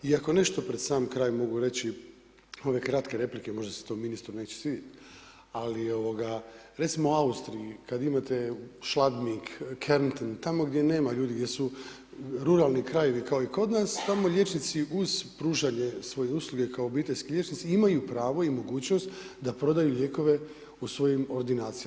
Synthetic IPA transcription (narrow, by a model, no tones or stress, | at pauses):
iako̞ne̞ʃt̪o̞pɾed̪̥saːmkɾaːjmo̞ɡuɾe̞t͡ɕi | o̞ʋe̞kɾat̪ke̞ɾe̞plike̞mo̞ʒd̪ase̥t̪o̞minist̪ɾune̞ːt͡ɕe̥sʋiːd̪jet̪ | alio̞ʋo̞ɡa | ɾe̞t̪simo̞oaust̪ɾiikad̪imat̪e̞ʃlad̪mikkʰeɾnt̪int̪amo̞ɡd̪jene̞ːmaʎuːd̪iɡdʲjesu | ɾuɾalˠnikɾaje̞ʋikao̞iko̞d̪nast̪amo̞ʎʲe̞t͡ʃnit̪siʔuzpɾuːʒaɲe̞sʋo̞je̞uslˠuɡe̞kaoːbiːt̪eʎʲskiʎʲe̞t͡ʃnit̪siimajupɾaːʋo̞imo̞ɡuːt͡ɕno̞st̪d̪apɾo̞d̪ajuʎe̞ko̞ʋe̞ | usʋo̞jimo̞ɾd̪inaːt̪sijaa